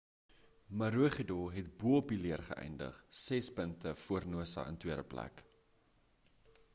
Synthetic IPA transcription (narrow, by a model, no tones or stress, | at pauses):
mɐɾuəχidɔɦɛt̚buəpiliərχə̰ʔɛ̰jndə̰χsɛspəntəfuərnuəsɑ̰ʔə̰ntwiəɾəplæ̰k